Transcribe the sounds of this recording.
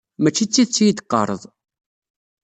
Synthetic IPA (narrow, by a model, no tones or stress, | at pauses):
mæt͡ʃːit͡sːit͡sːjid̪əqːə̰ɾˤə̰ðˤ